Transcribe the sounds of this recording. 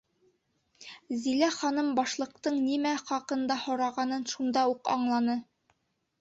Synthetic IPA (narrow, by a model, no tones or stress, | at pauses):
zilæχɑnɤmbɑʃlˠɤ̆qt̪ɤɴnimæχɑqɤ̆nd̪ɑhŏɾɑʁɑnɤnʃund̪ɑuqɑ̰ɴlˠɑnɤ